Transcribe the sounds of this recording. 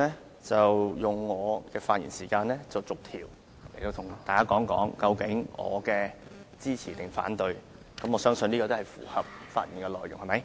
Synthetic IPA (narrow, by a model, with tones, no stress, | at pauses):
ɛː˥ | t͡sɐ˨wjʊ˨ŋːɔː˨˧kɛː˧faː˧t̚jḭ˨˩nsiː˨˩kaː˧nlɛː˥t͡sɐ˨wt͡sʊ˨k̚t̪ʰiː˨˩w | le˨˩jt̪o˧wt̪ʰʊ˨˩ŋt̪aː˨jkaː˥kɔː˨˥ŋkɔ̰ː˨˥ŋkɐ˧wkɪ˨˥ŋɔ̰ː˨˧kɛː˧t͡siː˥t͡sʰiː˨˩t̪ɪ˨˩ŋfa̰ː˨˥nt̪ɵ˧ɥ | kɐ˨˥mɔː˨˧sœː˥ŋsɵ˧niː˥kɔː˧t̪hɐ˨jfṵː˨˩hɐ˨p̚fa̰ː˧t̚jḭ˨˩nkɛ˧lɔː˨˩jʊ̰˨ŋhɐ˨˩mɐ˨˦˥j